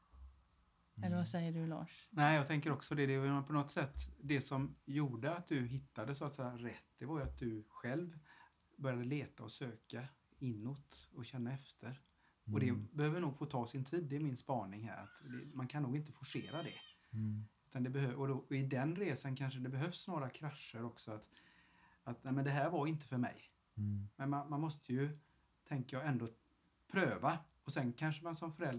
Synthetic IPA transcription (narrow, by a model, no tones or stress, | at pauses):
ɛlːəɾvasɛjːəɖɵlɑ̰ːʂnɛɪjɑːɡ̚t̪ʰɛŋkəɾɔksɔd̪ɛd̪ɛpʰɔnɔt̪sɛt̪ːd̪ɛsɔmjuːɖəat̪̚d̪ɵɦɪt̪ːad̪əsɔat̪sɛjaɾɛt̪ːd̪ɛvaɾjʏat̪̚d̪ɵɧɛlv | bœɾjad̪əleːt̪aɔsøːka | ɪnːot̪ɔɕɛnːaɛft̪ʰəɾ | ɔd̪ɛbɛhøːvəɳuːɡfoːt̪ʰɑːsɪnt̪ʰiːd̪ːɛmɪnspɑːɳɪŋɦæ̰ːɾa̰t̪d̪ɛ̰mankʰanːuːɡɪnt̪ə̥fɔʂḛːɾad̪ɛ̰ | ʉ̟ːt̪and̪ɛbɛhøɔd̪ɔɪd̪ɛnɾeːsankʰanʂəd̪ɛbɛɦœvsnoːɾakʰɾaʂːəɾɔksɔat̪ | at̪næmɛnd̪ɛɦæːɾvaɾɪnt̪əfœɾmɛ̰j | mɛnmanmanmɔst̪ʰəjɵ | t̪ʰɛŋkəjɑːɛnd̪oː | pʰɾøːva | ɔsɛnkʰanʂəmansɔmfœɾɛld̪